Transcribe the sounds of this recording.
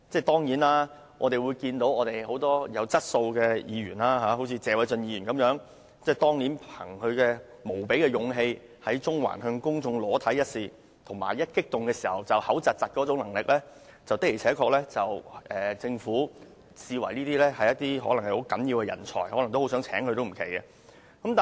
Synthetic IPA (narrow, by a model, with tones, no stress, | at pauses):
t͡sɛː˥˩t̪ɔː˥ŋjiː˨˥naː˥ | ʔɔː˨˧t̪e˨˩jwuː˨˧jkiː˧nt̪o˨˥wɔː˨˧t̪e˨jho˨˧˥wt̪ɔː˥jɐ˨˧wt͡sɐ˥t̚so˧wkɛː˧jḭː˨˧ɥy̰ː˨˩nlaː˥ɦaː˨˧˥ɦo˨˥wt͡sʰiː˧t͡sɛː˨˧wɐ˨˧jt͡sɵ˧njiː˧˨jyː˨˩nkɐ˨˥mjœː˨˥ŋ | t͡sɛː˥˩t̪ɔː˥ŋniː˨˥npʰɐ˨˩ŋkʰɵ˨˧ɥkɛː˧ | mo˨˩wpe˨˥jkɛː˧jʊ˨˧ŋɦe˧j | hɐ˨˥jt͡sʊ˥ŋwa̰ː˨˩nɦœ˧ŋkʊ˥ŋt͡sʊ˧ŋlɔː˨˥t̪ʰɐ˨˥jɐ˥t̚siː˨˧ | t̪ʰʊ˨˩ŋmaː˨˩jjɐ˥t̚kɪ˥k̚t̪ʊ˨ŋkɛː˧siː˨˩hɐ˨wt͡sɐ˨whɐ˨˥wt͡sɐ˨t̚t͡sɐ˨t̚kɔː˨˥t͡sʊ˨˥ŋlɐ˨˩ŋlɪ˨k̚lɛː˥ | t͡sɐ˨wt̪ɪ˥k̚i˨˩t͡sʰɛː˨˥kʰɔː˧k̚lɛː˥t͡sɐ˨wʔɛː˨t͡sɪ˧ŋfuː˨˥ | siː˧wɐ˨˩jniː˥t̪iː˥lɛː˥hɐ˨jɐ˥t̚t̪iː˥ɦɔː˨˥lɐ˨˩ŋhɐ˨jho˨˥wkɐ˨˥njiː˧wkɛ˧jɐ̰˨˩nt͡ʃʰɔ̰ː˨˩jhɔː˨˥lɐ˨˩ŋt̪o˥ho˨˥wsœː˨˥ŋt͡sʰɛː˨˥ŋkʰɵ˧t̪o˥wm̩˨˩kʰe˨˩jkɛ˧ | kɐ˨˥mt̪a˨